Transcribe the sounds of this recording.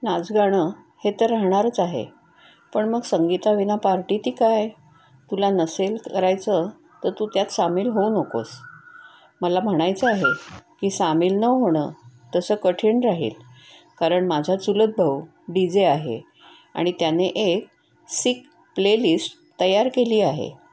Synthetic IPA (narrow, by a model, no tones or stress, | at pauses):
nad͡zɡaɽ̃ə | het̪əɾːaɦɳ̃aɾt͡saɦḛ | pəɳməɡsəŋɡit̪aʋinapaɾʈiːt̪iːkaj | t̪ulanəselkəɾajt͡sə | t̪əɾt̪ut̪jat̪samiːlɦounəko̰s | məlam̤əɽ̃ajt͡seaɦekiːsamiːlnəɦoɽ̃ət̪əsəːkəʈʰiɳɾaɦḛl | kaɾəɳmad͡ʑʱat͡suləd̪̚bʱəw | ɖid͡zeaɦḛ | a̰ɽ̃it̪janeʔek̚ | sik | plelisʈ | t̪əjaɾkeliːaɦḛ